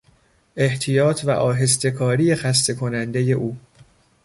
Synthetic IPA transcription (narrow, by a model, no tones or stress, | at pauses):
ʔe̞ht̪ʰijɒːt̪ʰvæ̰ʔɒːɦe̞st̪e̞kʰɒːɾijexæs̬t̪ʰe̞kʰo̞nænd̪e̞je̞ʔuː